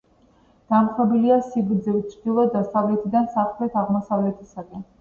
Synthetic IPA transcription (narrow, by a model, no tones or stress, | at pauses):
d̪̥amχɔbiliasiɡɾd̪zivt͡ʃʰɾd̪̥ilˠɔd̪asavlɛt̪ʰid̪ansaχlɛt̪ʰaʁmɔsavlɛt̪ʰisaɡɛn